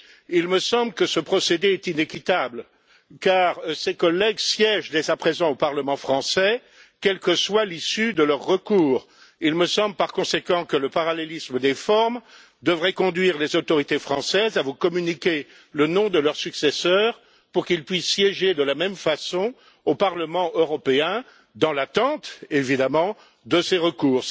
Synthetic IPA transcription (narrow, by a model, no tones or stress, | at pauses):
ilməsɑ̃bləkəsəpχɔsed̪eɛt̪inekʲit̪abl | kaːʁsekɔlɛɡsjɛʒd̪ezapχezɑ̃opaʁləmɑ̃fχɑ̃sɛ | kʲɛlkəswalisyd̪əlœʁːəkuːʁ | ilməsɑ̃bləpaʁkɔ̃sekɑ̃kələpaʁalelisməd̪efɔʁm | d̪əvʁɛkɔ̃d̪ɥiʁlezot̪ɔʁit̪efχɑ̃sɛzavukɔmynikʲe | lənɔ̃d̪əlœʁsyksɛsœːʁ | puʁkilpɥisːjɛʒed̪əlamɛmfasɔ̃ | opaʁləmɑ̃ʔøʁɔpeɛ̃ | d̪ɑ̃lat̪ɑ̃t̪evid̪amɑ̃ | d̪əseʁəkuːʁ